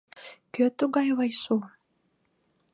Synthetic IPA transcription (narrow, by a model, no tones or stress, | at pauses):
køt̪uɣɑjβɑjsu